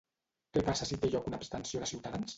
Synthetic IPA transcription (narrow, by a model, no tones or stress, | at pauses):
kɛpasəsit̪eʎɔkunaːpst̪ənsioðəsiwt̪aðans